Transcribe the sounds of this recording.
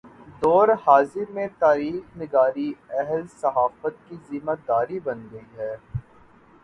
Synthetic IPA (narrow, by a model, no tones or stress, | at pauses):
d̪ɔːɾhaːzimẽt̪aːɾiːxnɪɡaːɾiɛɦlsɐɦaːfət̪̚kiziːməd̪aːɾibɐnɡəiɦɛː